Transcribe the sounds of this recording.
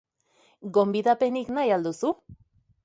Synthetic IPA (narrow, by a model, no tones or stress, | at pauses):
ɡo̞mbiðape̞niknajald̪usu